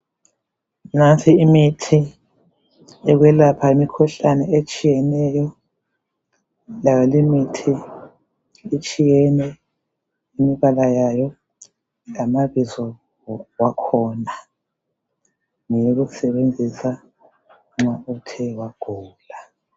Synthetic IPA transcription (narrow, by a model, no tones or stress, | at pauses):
nantʰʼiimitʰi | ɛɣwɛlapʰaimikʰɔɬanɛet͡ʃʼijɛnɛjɔ | lajɔlimitʰi | it͡ʃʼijɛnɛ | imiβalajajɔ | lamaβizɔ | wakʰɔːna | ŋɛjoɣusɛβend͡zʱisa | ŋ͡ǁautʰɛwaɡ̥ʱuːla